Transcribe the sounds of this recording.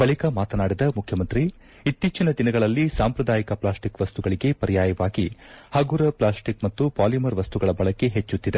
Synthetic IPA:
bɐɭikɐmaːt̪ɐnaːɽid̪ɐmukʰjɐmɐnt̪ɾi | it̪ːiːt͡ʃinɐd̪inɐɡɐɭɐlːisaːmpɾɐd̪aːjikɐplaːsʈikʋɐst̪uɡɐɭiɡe̞pɐɾijaːjɐʋaːɡihɐɡuɾɐplaːsʈikmɐt̪ːupaːlimɐɾʋɐst̪uɡɐɭɐbɐɭɐkːe̞ɦet͡ʃːut̪ːid̪e

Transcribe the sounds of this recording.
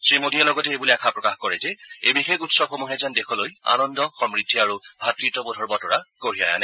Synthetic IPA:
sɹimodialɔɡɔtɛejbuliakʰapɹɔkaxkɔɹɛzɛebixekutsɔbxomuɦɛzandexʰɔloja̰nɔndɔxɔmɹidʱːiaɹubʱatɹitɔbodʱɔɹbɔtɔɹakoɹija̰ja̰nɛ

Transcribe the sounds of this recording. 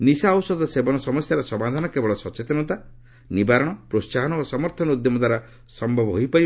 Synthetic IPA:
nisaɔwsɔd̪ɔsebɔnɔsɔmɔsjaɾɔsɔmad̪ʱanɔkebɔɭɔsɔt͡ʃet̪ɔnɔt̪a | nibaɾɔɽ̃ɔpɾossaɦɔnɔosɔmɔɾt̪ʰɔnud̪jɔmɔd̪aɾɔ | sɔmbʱɔbɔɦojpai

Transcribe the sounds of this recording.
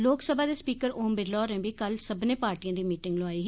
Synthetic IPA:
loːksəbaːd̪eːspiːkəɾoːmbɪɾlɔːɾɛ̃ːbiːkəlsəbnẽːpaːɾʈiːãːd̪iːmiːʈɪŋɡloaːiː

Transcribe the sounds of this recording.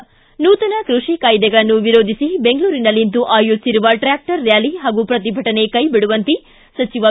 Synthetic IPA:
nuːt̪ɐnɐkɾuʂikaːjd̪ɛɡɐɭɐnːuʋiɾoːd̪ʱisibeŋɡɭuːɾinɐlːint̪̬uʔaːjusiɾuʋɐʈɾaːk̚ʈɐɾːjaːliɦaːɡupɾɐt̪̬ibʱɐʈɐne̞kɐjbiɽuʋɐnt̪i | sɐt͡ʃiʋɐ

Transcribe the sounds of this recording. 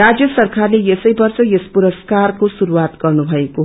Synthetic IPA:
ad͡zjʌsʌrkʰarlejesʌjbʌrsʌjespuɾʌskarkosuɾuwat̪ɡʌrnubʱʌeko

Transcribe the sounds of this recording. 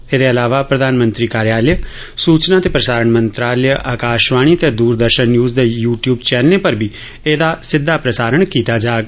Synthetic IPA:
ed̪eːəlaːʋaːpɾəd̪ʱaːnmə̃nt̪ɾiːkaːɾjaːljə | suːt͡ʃnãːt̪eːpɾəsaːɾəɳmənt̪ɾaːljʔaːkaːʃʋaːɽ̃iːt̪eːd̪uːɾd̪əɾʃənːjuːzd̪eːjuːʈjuːbt͡ʃɛːnlepəɾbʱiː | eːd̪aːsɪd̪ʱːaːpɾəsaːɾəɳkiːt̪aːd͡ʒaːɡ

